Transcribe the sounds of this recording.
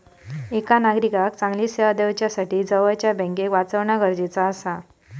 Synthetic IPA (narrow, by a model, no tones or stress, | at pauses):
ekanaɡɾikak̚t͡sãŋɡlisead̪əʋt͡ɕjasaʈiːd͡zəʋəjt͡ɕjabʱɛ̃ŋkekʋat͡səʋɳaɡəɾd͡ʑet͡saːsa